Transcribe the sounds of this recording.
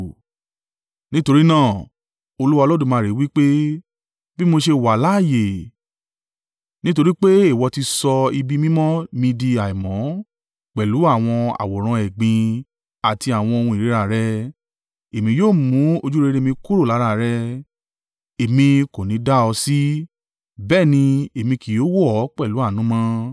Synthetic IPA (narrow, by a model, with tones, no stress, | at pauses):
nĩ˦to˧ɾi˦nãː˦˨ | o˧lu˦wa˧lɔ˦dũ˦˨mãː˨˧˦ɾi˨˦wi˦k͡pe˦ | bi˦mo˧ʃe˧wa˨la˦˨je˨ | nĩ˦to˧ɾi˦k͡pe˦i˦˨wɔ˧ti˧sɔ˧i˧bi˦mĩ˦mɔ̃˦mĩ˧di˧a˨i˨mɔ̃˨˦ | k͡pɛ˨lu˨˦a˦˨w̃ɔ̃˧a̰˨wɔ˨ɾ̃ã˧ɛ˨ɡ͡bĩ˧ | a˨ti˧a˨w̃ɔ̃˧o˧ũ˧i˨ɾe˨˦ɾa˦˨ɾɛ˧˦ | e˨mĩ˧joː˦˨mũ˨˦o˧d͡ʒu˦ɾe˧ɾe˦˨mĩ˧ku˦ɾo˦˨la˨˦ɾa˦˨ɾɛ˦ | e˨mĩ˧ko˨nĩ˨˧˦da˦ɔ˧si˦ | bɛː˦˨nĩ˧e˨mĩ˧ki˨jo˦wɔ˦˨˦k͡pɛ˦˨lu˨˦a˦˨nũ˨˦mɔ̃˦